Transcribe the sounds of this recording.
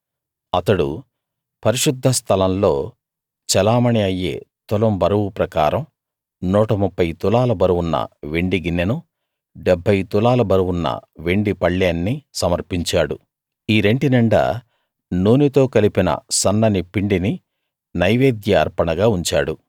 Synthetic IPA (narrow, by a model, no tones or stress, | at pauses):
ɐt̪ɐɽṵ | pɐɾiʂud̪ʱːɐst̪ʰɐlɐnlo̞ː | t͡ʃɛlaːmɐniɐjːe̞̰ːt̪ɔlɐmbɐɾɐwupɾɐka̰ːɾɐm | nuːʈɐmupːɐjt̪ulaːlɐbɐɾuwunːɐ̰ʋeɳɖiɡinːinu | ɖebʱːɐjt̪ulaːlɐbɐɾɐwunːɐ̰ʋe̞ɳɖipɐɭːaːnːisɐmɐɾpiɲt͡ʃaːɽṵ | iːɾe̞ɳʈinɐɳɖɐ̰ | nuːnit̪o̞ːkɐlipinɐ̰sɐnːɐnipiɳɖini | nɐjʋeːd̪jɐɐ̰ɾpɐɳɐɡaːuɲt͡ʃaːɽu